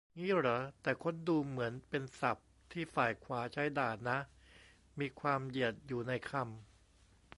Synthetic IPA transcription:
ŋiː˥˩ɾa˩˦t̪ɛː˨˩kʰo˧˥nduː˧mɯ˩˦ənpe˧nsa˨˩p̚ | t̪ʰiː˥˩faː˨˩jkʰwaː˩˦t͡ɕʰa˦˥jdaː˨˩na˦˥ | miː˧kʰwaː˧mji˨˩ət̪̚juː˨˩na˧jkʰa˧m

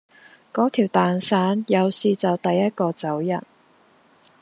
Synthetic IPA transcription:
kɔː˨˥t̪ʰiː˨˩wt̪aː˨nsaː˨˥njɐ˨˧wsiː˨t͡sɐ˨wt̪ɐ˨jːɐ˥t̚kɔː˧t͡sɐ˨˥wjɐ̰˨˩n̚

